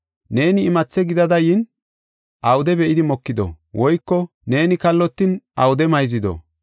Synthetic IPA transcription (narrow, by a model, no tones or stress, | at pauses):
ne̞ːnɪːmɐt͡sːɛɡɪd̪ɐd̪ɐjɪn | ʔɐwʊd̪ɛbɛʔɪd̪ɪmɔkːɪd̪ɔ̰ | wʔɔjkːɔ | ne̞ːnɪkɐlːɔt̪ːɪnɐ̰wʊd̪ɛmɐjzɪd̪ɔ̰